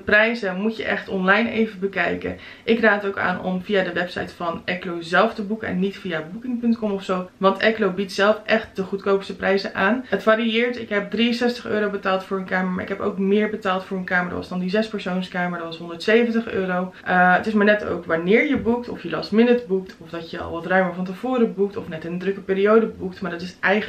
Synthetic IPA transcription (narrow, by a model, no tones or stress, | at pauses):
dəprɛjzəmutjə̰ʔɛχtɔnlɑjnejvəbəkɛjkə̰ | ʔɪkraːətowka̰ːnʔɔ̰mviaːdəʋɛpsɑ̰jtfɑnʔɛklowzɛlˠftəbukəɛ̰nːitfijabukɪŋpɵntkɔmɔfsowʋɑntɛklowbitsɛlˠfʔɛχt̚dəχutkowpstəprʔɛjzəʔaːnətfaɾiɪːɹtɪkɦɛp̚driənsɛstəχø̰ːɾowbətaːlˠtfʊːɹənkaːməɹma̰ːɹʔɪ̰kɦɛpo̰wkmɪːɹbətaːlˠtfʊːɹənkaːməɹd̰ʋɑ̰sdɑndizɛspəɹsownskaːməɹdtʋɑsɦɔndəɹtsejvəntəχø̰ːɾowʔəətɪsmaːɹnɛto̰wkʋanɪːɹjəbuktɔfjəlɑ̰smɪnətbuktʰɔfdɑtjəɑ̰lˠʋɑtrœɥməɹfɑntəv̥oːɾəbuk̚tɔfnɛtɪnəndrɵkəpiːɾiowdəbuktmaːɹdɑtɪsʔɛj